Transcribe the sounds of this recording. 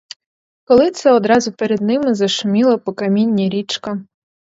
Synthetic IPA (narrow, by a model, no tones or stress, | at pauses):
kɔlˠɪt̪sɛɔd̪ɾɑzʊpeɾed̪nɪmɪzɐʃʊmʲilˠɐpɔkɐmʲinʲːiɾʲit͡ʃkɐ